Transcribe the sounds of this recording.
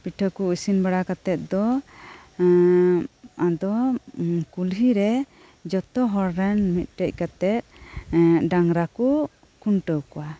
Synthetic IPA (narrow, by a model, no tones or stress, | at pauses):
piʈʰəkuusinbaɽakat̪ɛt̪̚d̪ɔ | ad̪ɔ | kulɦiɾɛ | d͡ʒɔt̪ɔɦɔɾɾɛnmit̪̚ˀʈɛc̚ˀkat̪ɛt̪̚ | ɖaŋɾaku | kuɳʈəwkɔwa